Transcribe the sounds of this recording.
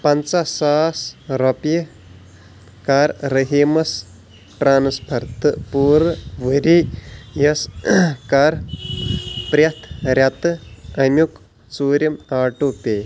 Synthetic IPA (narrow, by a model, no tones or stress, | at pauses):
pɐnt͡sɐsaːsɾɐpjə | kaɾɾəɦiːmɐs | ʈɾaːnspʰɐɾt̪ɨpuːɾʋəɾijɐskaɾ | pɾʲjɐt̪ʰɾʲjɐt̪ɨɐmʲjuk | suːɾʲjɐmaːʈupʲeː